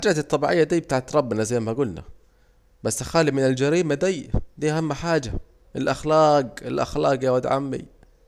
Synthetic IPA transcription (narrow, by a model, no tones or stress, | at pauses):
ħad͡ʒaːt̪ɨt̪ˤːɑbiʕɪjːad̪iːbt̪aːʕt̪ɾˤɑbːnazajːmaɡʊlna̰ | basːaxaːlimɪnɪld͡ʒaɾiːmad̪iːd̪iːʔahamːħaːd͡ʒa | ʔɪlʔaxlaːqɪlʔa̰xlaːqjawad̪ʕa̰mːḭ